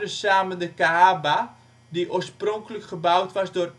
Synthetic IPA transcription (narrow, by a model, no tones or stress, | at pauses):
əsaːməndəkaaba | diʔoːrsproŋkələkχəbawtʋɑsdʊːr